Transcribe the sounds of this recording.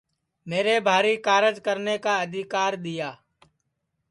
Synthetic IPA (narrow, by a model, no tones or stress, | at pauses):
meːɾebʱaːɾiːkaːɾəd͡ʒkəɾnekaːəd̪ʱɪkaːɾd̪ɪjaː